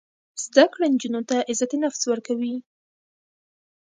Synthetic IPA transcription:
z̥d̪akɽand͡ʒunot̪aʔɪzat̪enafswəɾkawi

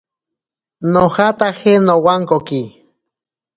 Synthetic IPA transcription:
nohat̪aχenowaŋkoki

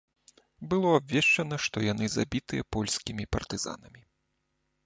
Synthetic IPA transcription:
bɨlˠɔabvʲɛʂt͡ʂɐnɐʂt̪ɔjanɨza̰bʲit̪ɨjɛpɔlʲsʲkʲimʲipɐ̰rt̪ɨza̰nɐmʲi

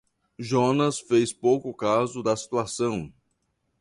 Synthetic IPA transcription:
ʒonɐsfejspowkʊkazʊd̪ɐsi̥t̪uasɐ̃w̃

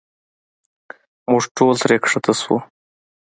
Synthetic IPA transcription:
mʊʐʈoːlt̪ɾekʂat̪ɐswṵ

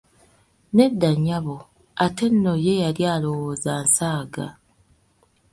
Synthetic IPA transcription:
ne̞dːaɲːaβo | ate̞nːoje̞jaljaːlo̞woːzansaːɡa̰

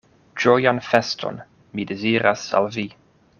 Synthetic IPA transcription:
d͡ʒojanfestʰo̰n | mide̞ziɾʔasa̰lvi

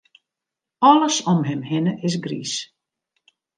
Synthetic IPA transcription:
ɔləsɔmɦɛmhɪnəʔɪs̬ɡrḭs

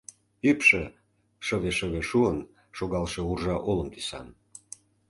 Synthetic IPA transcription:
ypʃĕ | ʃəβeʃəβeʃuən | ʃoɣɑlʃeurʒɑʔoləmt̪i̥sɑ̰n

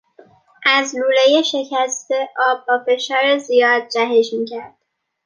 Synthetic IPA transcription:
ʔæzluːle̞je̞ʃe̞cʰæst̪e̞ʔɒːb̚ːɒːfe̞ʃɒːɾezijɒːd̪̚d͡ʒæɦeʃmiːcʰæɾd̪̥

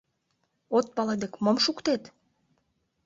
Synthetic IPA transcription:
ot̪̚pɑled̪ekmə̆mʃukt̪et̪

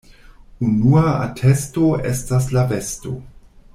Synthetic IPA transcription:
unuaa̰tʰestoʔḛstas̬lave̞sto̞̰

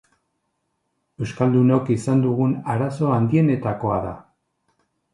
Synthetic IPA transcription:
e̞wskald̪uno̞kisand̪uɣunaɾaso̞and̪ie̞ne̞t̪ako̞aða̰

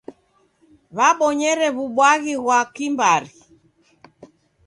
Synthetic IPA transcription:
βaɓɔɲɛɾɛβuɓwaɣiɣwakimbaɾi

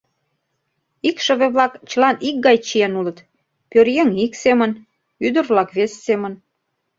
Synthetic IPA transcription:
ikʃəβeβlɑkt͡ɕəlɑnik̚ɡɑjt͡ɕijenulət̪ | pøɾjeŋiksemən | yd̪ə̆rβlɑkβesːemə̆n

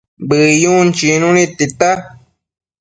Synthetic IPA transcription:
bɨjũnt͡ʃinũnĩt̪it̪a

